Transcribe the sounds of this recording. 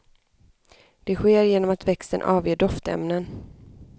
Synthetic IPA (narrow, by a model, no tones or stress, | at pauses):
d̪̥ɛɧeːɾjeːnɔmat̪vɛkst̪ə̰nʔɑːvjeːɖɔft̪ɛ̰mnən